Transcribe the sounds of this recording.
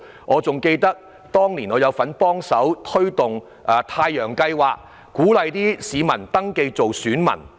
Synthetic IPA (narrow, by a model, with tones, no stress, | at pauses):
ŋʔɔː˨˧t͡sʊ˨ŋke˧jt̪ɐ˥k̚ | t̪ɔː˥ŋliː˨˩nɔː˨˧jɐ˨˧wfɐ˨˥npɔː˥ŋsɐ˨˥wt̪ʰɵ˥ɥt̪ʊ˨ŋ | ʔɐ˨t̪ʰaː˧jːœː˨˩ŋkɐ˧jwaː˨k̚ | kuː˨˥lɐ˨jt̪iː˥siː˨˧mɐ˨˩nt̪ɐ˥ŋke˧jt͡so˨wsyː˨˥nmɐ̰˨˩n